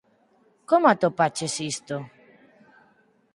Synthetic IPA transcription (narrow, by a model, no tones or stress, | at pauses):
komat̪opat͡ʃesist̪o